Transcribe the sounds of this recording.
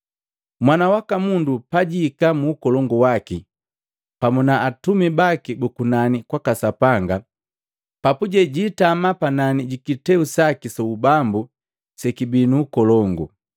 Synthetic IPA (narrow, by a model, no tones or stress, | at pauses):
mwanawakamundupaɟikamuːkɔlɔŋɡuwaki | pamunaːtumibakibukunanikwakasapaŋɡa | papuɟɛɟiːtamapananiɟikitɛusakisɔubambu | sɛkibinuːkɔlɔŋɡṵ